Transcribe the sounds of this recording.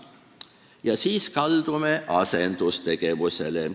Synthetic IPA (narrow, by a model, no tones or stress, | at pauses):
jɑsiːskɑld̪̥umeʔɑse̞nd̪̥ust̪e̞ɡ̥e̞ʋuse̞̰le